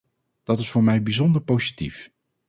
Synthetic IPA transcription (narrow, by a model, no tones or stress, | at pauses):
d̥ɑtɪsfʊːɹmɛjbizɔndəɹpowzitif